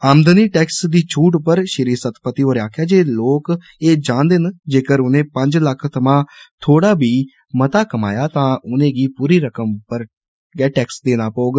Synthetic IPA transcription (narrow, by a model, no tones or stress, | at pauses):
aːmd̪əniːʈɛːksd̪iːt͡ʃʰuːʈpəɾʃɪɾiːsət̪ʰpət̪iːoːɾaːkʰjaːd͡ʒeːloːk | eːd͡ʒãːnd̪eːnd͡ʒeːkəɾʊnẽːpə̃ɲd͡ʒləkʰt̪ʰəmãːt̪ʰoːɽaːbiː | mət̪aːkəma̰ːjaːt̪ãːʔʊnẽːɡiːpuːɾiːɾəkəmpəɾ | ɡɛːʈɛːksd̪eːnaːpoːɡ